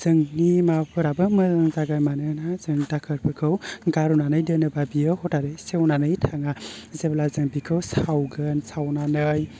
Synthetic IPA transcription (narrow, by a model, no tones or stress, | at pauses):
z̥ɯŋnimapʰɯɾabɯmɯzɯŋzaɡajmanɯnazɯŋdakʰɯɾpʰɯkʰɯwɡaɾunanɯjdɯnɯbabijɯɦɔtaɾɯjsewnanɯjtʰaŋazeblazɯŋbikʰɯwsawɡɯnsawnanɯj